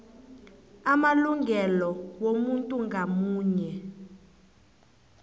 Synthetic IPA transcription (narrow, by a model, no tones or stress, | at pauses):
amaluŋɡʱɛlɔwomuntʼuŋɡʱamuːɲɛ